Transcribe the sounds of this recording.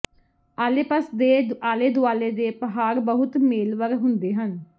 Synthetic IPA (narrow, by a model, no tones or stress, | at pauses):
aːleːpəsd̪eːaːleːd̪ʊaːleːd̪eːpəɦaːɾbəɦʊt̪meːlʋəɾɦʊnd̪eːɦən